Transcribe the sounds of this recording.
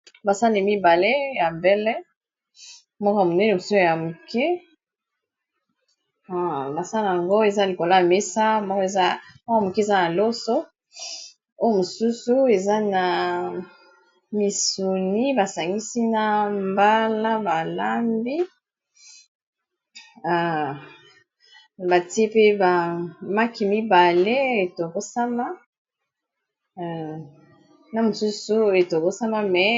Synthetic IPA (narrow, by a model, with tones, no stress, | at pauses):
ba˨sa˦ni˨mi˦ba˨le˦ja˨mbɛ˦lɛ˦ | mɔ˦ko˦a˨mo˨nɛ˦ne˨mo˨so˦ja˨mu˨kɛ˦ | a˨ba˨sa˦la˨ja˨ŋɡo˦e˨za˦li˨ko˨la˦a˨me˦sa˦mɔ˦ke˨za˦m˦kmu˨ki˦e˨za˦na˨lo˦so˦ | o˦jo˦mo˨su˦su˦e˨za˦na˨ | mi˨su˨ni˦ba˨sa˨ŋɡi˦si˦na˨mba˦la˦ba˨la˦mbi˦˨ | ba˨ti˦e˦pe˦ba˨ma˦ki˨mi˦ba˨le˦e˨to˨ko˦sa˦ma˦˨ | na˦mo˨su˦su˦e˨to˨ko˦sa˦ma˦mɛ˨